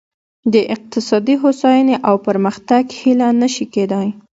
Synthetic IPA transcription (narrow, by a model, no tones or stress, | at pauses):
d̪əʔɪq̚t̪ɪsɑd̪iɦosajaneʔawpəɾməxt̪aɡhilanəʃiked̪aj